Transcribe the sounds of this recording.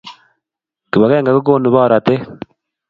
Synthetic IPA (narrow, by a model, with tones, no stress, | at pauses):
ki˨βa˨ɣeː˦ŋɡa˨ko˦k̬oː˦nu˨βa˦˨ɾa˨te˦